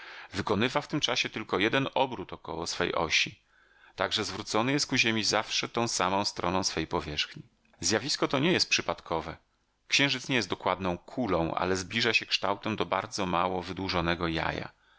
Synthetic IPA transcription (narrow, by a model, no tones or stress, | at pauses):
vɘkɔnɘvaft̪ɘmt͡ʂaɕɛt̪ɘlkɔjɛd̪ɛnʔɔbɾut̪ɔkɔ̰wɔsfɛ̰jʔɔ̰ɕi | t̪aɡʐɛzvɾut̪sɔnɘjɛst̪̚kuʑemʲizafʂɛt̪ɔ̃w̃samɔ̃w̃st̪ɾɔnɔ̃w̃sfɛjpɔvʲjɛʂxɲi | zʲjavʲiskɔt̪ɔɲɛjɛst̪pʂɘpat̪kʰɔvɛ | kɕɛ̃w̃ʐɘt̪sɲɛjɛst̪d̪ɔkwad̪nɔ̃w̃kʰulɔ̃w̃ʔa̰lɛzblʲiʐaɕɛkʂt̪awt̪ɛmd̪ɔba̰ɾd̪zɔmawɔvɘd̪wuʐɔnɛɡɔja̰ja̰